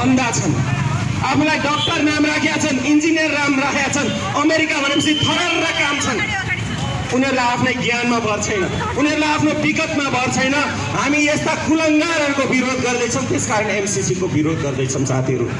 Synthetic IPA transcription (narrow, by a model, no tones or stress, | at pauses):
bʱʌnd̪at͡sʰʌn | apʰulajɖʌk̚ʈʌrnamrakʰjat͡sʰʌnind͡zinjʌrːamrakʰjat͡sʰʌn | ʌmeɾikabʱʌɾepʌsit̪ʰʌɽaɾɾakamt͡sʰʌn | unʌɾulajapʰnʌjɡjanmabʱʌrt͡sʰʌjnʌ | unʌɾulajapʰnopikʌt̪mabʱʌrt͡sʰʌjnʌ | ɦamiest̪akulʌŋɡaɾɦʌɾukobiɾod̪ɡʌrd̪ʌjt͡sʰʌwt̪eskaɾʌɽ̃emsisikobiɾod̪̚ɡʌrd̪ʌjt͡sʰʌmsa̰t̪iɦʌɾṵ